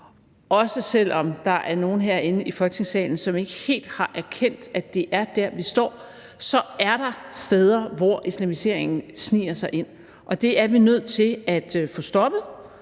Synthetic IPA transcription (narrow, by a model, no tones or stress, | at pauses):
ɒ̽səsel̰ɒ̽md̥ɑ̈ʔæɐno̝ːn̩ɦeɐ̰e̝nəʔifɒ̽lɡ̥ət͡sʰe̝ŋsɛ̰ːln̩sɒ̽me̝ɡ̥əhe̝̰ːld̥hɑ̈ʔæɐkʰen̰d̥æd̥e̝ʔæɐd̥æɐʋisd̥ɒ̰ː | sɒ̽æɐɾ̥ɑ̈sd̥eːð̞ˠɐʋɒislæmise̝ɐ̰eŋn̩snḭːɐsɑ̈ɪʔe̝n̰ | ʔɒ̽d̥e̝æɐʋinøð̰ˠt͡sʰe̝læd̥fɔ̽ːsd̥ɒ̽b̥ð̞̩ˠ